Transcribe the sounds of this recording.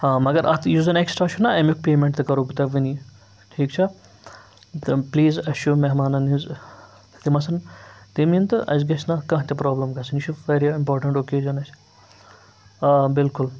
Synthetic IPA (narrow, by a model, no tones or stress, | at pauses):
haːmɐɡɐɾʔɐ̰t̪ʰjuːzɐneksʈɾaʃunɐɐmuk̚peːmẽɳʈt̪ɨkɐɾoːbɨt̪ɐʋɨni | ʈʰiːkt͡ʃʰɐ | t̪pliːzɐʃumeɦmaːnɐniz | t̪imɐsɐnt̪imint̪ɨʔɐ̰zɡɐt͡ʃnɐkɐ̃ɦt̪ʲɐpɾɔːblɐmɡɐsɐniʃʰuʋeɾiimpɔːɾʈɐ̃ɳʈokeːʒɐnɐt͡ʃ | bɪlkʊl